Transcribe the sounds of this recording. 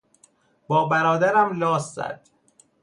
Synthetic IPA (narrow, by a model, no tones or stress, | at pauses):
b̥ɒːbæɾɒːd̪æɾæmnɒːszæ̰d̪̥